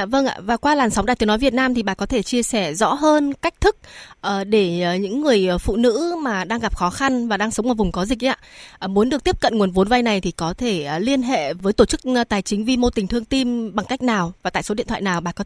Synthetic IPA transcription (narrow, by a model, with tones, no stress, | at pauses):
a˧və˧ŋʔa̰ː˧˨vaː˨˩kwaː˧laː˨˩msa˨˦wŋ͡mɗaː˨˩t̪ənɔ˨˦jvi˨˩ət̚naː˧mt̪ʰi˨˩ɓaː˨˩kɔ˨˦t̪ʰe˧˩t͡ɕi˧əsɛ˧˩zɔ̰˧˥ɦəː˧nka˦˥jk̟̚t̪ʰɨ˦˥k̚ʔəː˨˩ɗe˧˩˨ɲɨ̰˧˥ŋːɨ˨˩əjfṵ˧˨nɨ̰˧˥maː˨˩ɗaː˧ŋɣa˨˩p̚xɔ˨˦xa˧nvaː˨˩ɗaː˧ŋsə˨˦ŋ͡mmvaː˨˩vŋ͡mkɔ˨˦zï˨˩k̟̚ʔa̰ː˧ʔmu˨˦ənɗɨ˨˩ək̚t̪i˦˥əp̚kə˧˨nŋ˨˩ənvo˨˦nva˧jna˨˩jt̪ʰi˨˩kɔ˨˦t̪ʰe˧˩˨li˧ənɦḛ˧˨vəː˨˦jt̪o˧˩t͡ɕɨ˦˥k̚t̪aː˨˩jt͡ɕï˨˦ŋ̟vi˧mo˧t̪ï˨˩ŋ̟t̪ʰɨ˧əŋt̪i˧mɓa˨˩ŋka˦˥k̟̚naː˨˩wvaː˨˩t̪a̰ː˧˨so˨˦ḭ˧˨nt̪ʰw̰a̰ː˧˨naː˨˩wɓaː˨˩kɔ˨˦